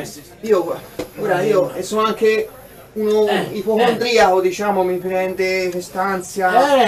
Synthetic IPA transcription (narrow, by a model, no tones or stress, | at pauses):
iːooːɾaiːoesonoaŋke | unoipokond̪ɾiːakod̪it͡ʃaːmomipɾɛnd̪epest̪ant̪sja